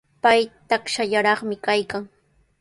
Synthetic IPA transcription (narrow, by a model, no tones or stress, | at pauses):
pajt̪akʃaʎaɾɑχmɪkajkaŋ